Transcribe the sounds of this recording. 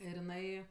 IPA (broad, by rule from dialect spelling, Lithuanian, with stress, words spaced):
ɪr jɪˈnɐɪ